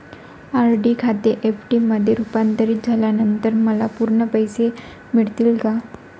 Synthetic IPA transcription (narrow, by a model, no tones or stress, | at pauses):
aɾɖikʰat̪eʔefʈiməd̪ʱːjeɾupant̪əɾiːt̪̚d͡zʱaljanənt̪əɾməlapuɾɳəpəjse | miɭt̪iːlɡa